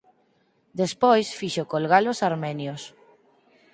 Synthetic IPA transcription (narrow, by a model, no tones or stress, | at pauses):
d̪espojsfiʃokolɣalosaɾmɛnjos